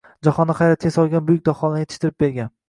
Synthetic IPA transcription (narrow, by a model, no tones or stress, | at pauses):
d͡ʒaχɒnːɪχɑjɾat̪ʰɪɡʲasɒlˠɡʲanbʊjɪk̚ʲd̪ɒχɒlˠnʲet̪ʰɪ̥ʃt̪ʰɪɾɪp̚be̞ɾɡʲan